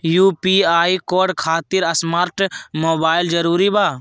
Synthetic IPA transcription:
juːpiːaːikoːɖkʰaːt̪ɪɾɐsmaːɾʈmoːbaːɪld͡ʒəɾuːɾibaː

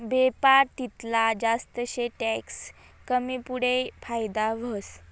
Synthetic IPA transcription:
bepaɾt̪it̪lad͡zast̪əɕeʈɛks | kəmiːpuɽefajd̪aʋ̤əs

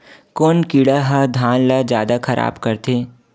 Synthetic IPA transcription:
koːnkiːɽaɦad̪ʱaːnlad͡ʒjaːd̪axɐɾʔa̰ːbkɐɾt̪eː

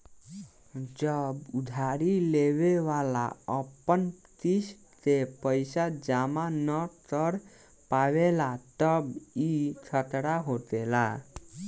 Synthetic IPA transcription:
d͡ʒəbʊd̪ʱaɾileʋeʋala̰əpənt̪is | t̪epəɪsad͡ʒamanəʈəɾ | paʋelat̪əbit͡ʃʰət̪ɽaɦot̪ela

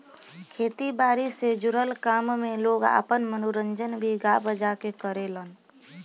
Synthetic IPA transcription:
kʰet̪ibaɾised͡ʒuɾəlkammeloɡa̰pənmənuɾənd͡ʒənbʱiɡabəd͡ʒakekəɾelən

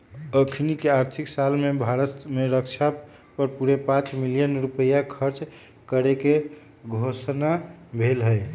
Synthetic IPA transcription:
əkʰnikeaɾt̪ʰiksalmebʱaɾət̪meɾəkt͡ʃʰa | pəɾpuɾepãt͡ʃmilijənɾupəjakʰəɾt͡ʃ | kəɾeke | ɡʱosnabʱelɦəj

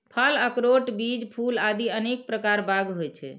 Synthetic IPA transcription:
pʰələkɾoʈbid͡ʒpʰulad̪iənek̚pɾəkaɾbaɡɦojt͡ʃʰɛ̰

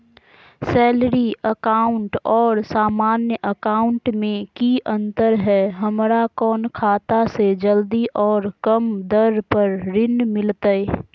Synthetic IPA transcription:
sɛːlɾiəkaːʊɳʈɔːɾsaːmaːnjəʔəkaːʊ̃ɳʈmẽkiʔə̃nt̪əɾɦɛɦəmɾakɔːnkʰaːt̪ased͡ʒəld̪iʔɔːɾkəmd̪əɾpəɾɾɪnmɪlt̪əi

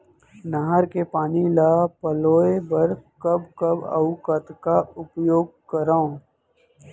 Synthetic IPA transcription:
nəɦəɾkepaːnilaːpəloːebəɾkəbkəbə̰ʊkət̪kaʊpjoːɡ̚kəɾaõ

